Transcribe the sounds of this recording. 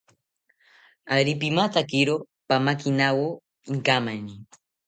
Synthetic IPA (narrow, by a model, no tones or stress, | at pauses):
aɾipimat̪akiɾo | pamakinawo | iŋkamani